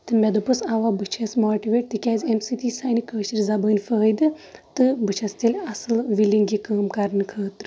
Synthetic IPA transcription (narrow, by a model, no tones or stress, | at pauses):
t̪ɨmʲed̪upɨsaʋaːbɨt͡ʃʰɐsmoːʈiʋeːʈ̚t̪ɨkʲaːzʲemsiːt̪iːsaːjnikəːʃiɾʲzɐbəːnʲfəːəjd̪ɨt̪ɨbɨt͡ʃʰɐst̪ʲelʲɐsɨlʋilʲiŋɡikɐːmkɐɾnɨkʰɐːt̪ɾɨ